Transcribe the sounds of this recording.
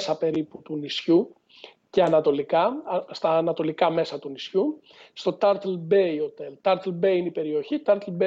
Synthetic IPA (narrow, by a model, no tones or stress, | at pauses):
sɐpe̞ɾiput̪unisçu | ce̞ɐnɐt̪o̞likɐst̪ɐːnɐt̪o̞likɐme̞sɐt̪unisçu | st̪o̞t̪ɐɾt̪elbe̞io̞t̪elt̪ɐɾt̪elbe̞iineipe̞ɾio̞çit̪ɐɾt̪elbe